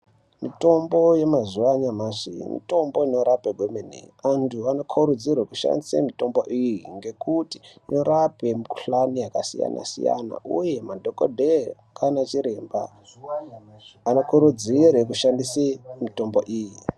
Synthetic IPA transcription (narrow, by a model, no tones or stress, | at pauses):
mito̞mbo̞je̞mazuaɲamaʐḭmḭto̞mbo̞ino̞ɾapeɡʱwemenḛantʰuano̞kʰuɾud͡zirwekuʃa̰ndisḛmito̞mboʔijiŋɡe̞kuti̥noɾape̞mikuɬanijakasḭja̰na̰sḭja̰na̰ʔṵje̞madʱoko̰dʱe | kʰanat͡ʃiɾemba̰ | ano̞kʰuɾud͡zirwekuʃandisemito̞mbo̞ʔiːji